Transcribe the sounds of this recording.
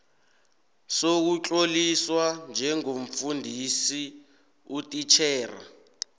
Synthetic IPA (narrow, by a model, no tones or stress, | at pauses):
sok̬ut͡ɬʼoliswand͡ʒʱɛŋom̩fundʱisi | utʼit͡ʃʰɛːra̰